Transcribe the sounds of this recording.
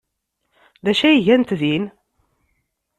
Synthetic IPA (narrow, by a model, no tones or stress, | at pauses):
ðæʃæjiʝænt̪ðin